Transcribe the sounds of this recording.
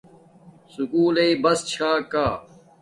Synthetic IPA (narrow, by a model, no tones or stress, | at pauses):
sukuːleibɐst͡ɕʰaːkaː